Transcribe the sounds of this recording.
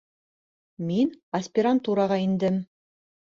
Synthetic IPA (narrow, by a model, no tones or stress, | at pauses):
minɐsʲpʲɪɾant̪uɾɑʁɑind̪ɘm